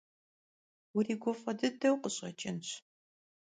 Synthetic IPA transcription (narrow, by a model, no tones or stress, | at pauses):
wʊriːɡʷɔfʼɐdɨdɐwqəɕʼɐt͡ʃʰʼɪnɕʷʰ